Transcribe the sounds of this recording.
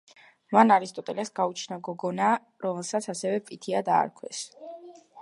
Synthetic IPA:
manaɾist̪ʼɔt̪ʼɛlɛsɡaut͡ʃʰnaɡɔɡɔna | ɾɔmɛlˠsat̪sʰasɛvɛpʼit̪ʰiad̪a̰ːɾkʰwɛs

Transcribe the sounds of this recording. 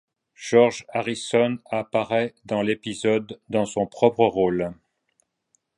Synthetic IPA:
ʒ̥ɔʁʒaʁisɔnapaʁɛd̪ɑ̃lepizɔd̪ːɑ̃sɔ̃pχɔpχəʁol

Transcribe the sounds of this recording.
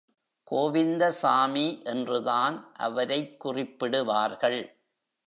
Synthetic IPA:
koːʋɪnd̪ɐsaːmiʔɛndrɯðaːnʔɐ̰ʋɐɾɐɪkːʊrɪpːɪɽɯʋaːɾɣɐɭ

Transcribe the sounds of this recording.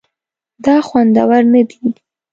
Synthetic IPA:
d̪ɑxwand̪a̰waɾnad̪i

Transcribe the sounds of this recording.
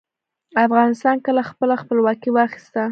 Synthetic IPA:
afɣɑnɪst̪ɑnkəlaxpəlaxpəlwɑkiwəaxi̥st̪a

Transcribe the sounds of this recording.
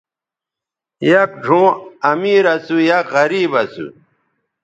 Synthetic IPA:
jɐk̚ɖʱõːɐmiːɾɐsujaɣɐɾiːbɐsṵ

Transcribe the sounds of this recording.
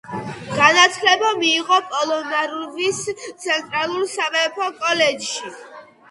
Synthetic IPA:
ɡ̥anat̪sʰlɛbamiːʁɔpʼɔlˠɔnaɾvist̪sʰɛnt̪ʼɾalˠulsavɛpʰɔkʼɔlɛd͡ʒʃi

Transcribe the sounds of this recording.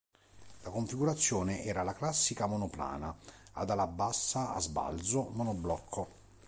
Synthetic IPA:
lakoɱfiɡuɾat̪sːjoːneʔɛːɾalaklasːikamonopla̰ːnaad̪alabːasːaa̰zba̰ld̪zomonoblɔkʰːo

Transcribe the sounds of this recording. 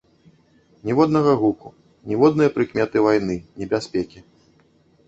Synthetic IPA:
nʲɛvɔd̪nɐɣɐɣuku | nʲɛvɔd̪nɨjɐpɾɨkmʲɛt̪ɨvajn̪ɨnʲɛbʲasʲpʲɛkʲi

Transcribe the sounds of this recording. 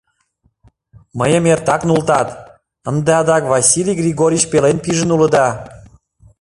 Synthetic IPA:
məjəmert̪ɑknult̪ɑt̪ | ənd̪eɑd̪ɑkβɑsilʲiɡrʲiɣoɾʲit͡ɕpelenpiʒə̆nulə̆d̪ɑ

